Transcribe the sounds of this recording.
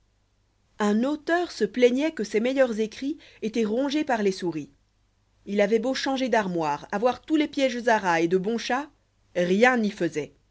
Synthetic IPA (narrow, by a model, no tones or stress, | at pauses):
ɛ̃not̪œʁsəplɛɲɛkəsemɛjœʁzekχi | et̪ɛʁɔ̃ʒepaʁlesuʁi | ilavɛboʃɑ̃ʒed̪aʁmwaːʁavwaʁt̪ulepjɛʒzaʁaed̪əbɔ̃ʃa | ʁjɛ̃nifəzɛ